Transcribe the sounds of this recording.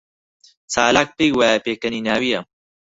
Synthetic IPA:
t͡saːlaːk̚pejwaːapeːkɐniːnaːwijɐ

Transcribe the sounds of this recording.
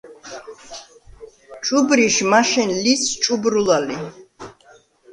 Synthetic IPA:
t͡ʃʼubɾiʃmaʃɛnlist͡ʃʼubɾulali

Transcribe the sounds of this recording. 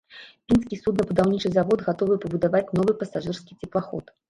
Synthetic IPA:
mʲinskʲisut̪nɐbud̪awnʲit͡ʂɨzavɔd̪ɣat̪ɔvɨpɐbud̪avat͡sʲn̪ɔvɨpɐsaʐɨrskʲit͡sʲɛplˠaxɔ̰t̪

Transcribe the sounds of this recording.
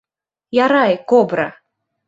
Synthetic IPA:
jaɾajkɔbɾɐ

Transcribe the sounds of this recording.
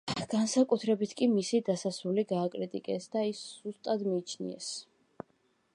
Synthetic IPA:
ɡ̥ansakʼut̪ʰɾɛbit̪ʰkʼimisid̪asasuliɡaːkʼɾit̪ʼikʼɛsd̪aisz̥ust̪ʼad̪miːt͡ʃʰnḭɛ̰s

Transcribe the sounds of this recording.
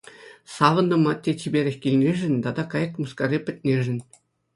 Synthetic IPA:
sɑʋɤ̆nːɤ̆mɑtʲːet͡ɕibʲeɾʲɘ̆xʲkʲilʲnʲeʒɘ̆nʲt̪ɑd̪ɑkɑjɤ̆kmuskɑrʲipʲɘ̆tʲnʲeʒɘ̆nʲ

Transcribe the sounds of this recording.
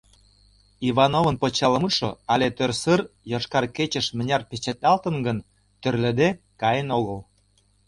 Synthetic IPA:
iβɑnovə̆npot͡ɕɑləmut̪ʃoɑlet̪ørsərjoʃkɑrket͡ɕə̆ʃmə̆nʲɑrpet͡ɕet̪ɑlt̪ənɡən | t̪ørlə̆d̪e | kɑjenoɣəl

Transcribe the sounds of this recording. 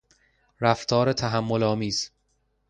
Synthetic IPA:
ɾæft̪ʰɒːɾet̪ʰæɦæmːolɒːmiːz̥

